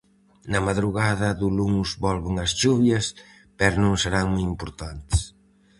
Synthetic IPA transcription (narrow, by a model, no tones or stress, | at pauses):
nɐmaðɾuɣaðɐðuluŋzβɔlβuŋɐsʃuβjɐs | pɛɾonũŋseɾaŋmujimpoɾt̪ant̪s